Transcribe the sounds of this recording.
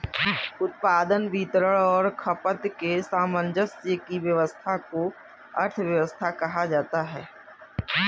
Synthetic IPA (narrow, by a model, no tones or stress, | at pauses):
ʊt̪̚paːd̪ənbiːt̪ɾəɭɔːɾkʰɐpət̪kesaːmənd͡ʒəsjəkiʋjəʋəst̪ʰako | ə̰ɾt̪ʰʋjəʋəst̪ʰakɐɦad͡ʒaːt̪aɦɛ̰ː